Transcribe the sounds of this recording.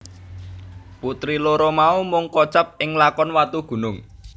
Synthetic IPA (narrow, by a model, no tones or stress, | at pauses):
put̪ɾiloɾɔmaumʊŋkɔt͡ʃap̚ɪŋlakɔnwat̪uɡ̥ṳnʊŋ